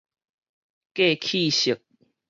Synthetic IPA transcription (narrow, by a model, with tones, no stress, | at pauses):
ke˥˧˨kʰi˥˨ɕi˨˩k̚